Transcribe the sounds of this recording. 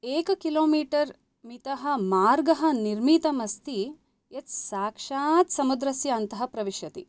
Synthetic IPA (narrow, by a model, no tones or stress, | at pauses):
eːkɐkiloːmiːʈɐɾ | mit̪ɐɦɐ̆maːɾɡɐɦɐ̆niɾmit̪ɐmɐst̪i | et͡ʃsaːkʂaːt̪sɐmud̪ɾɐsjɐːnt̪ɐɦɐpɾɐʋiʃjɐt̪ḭ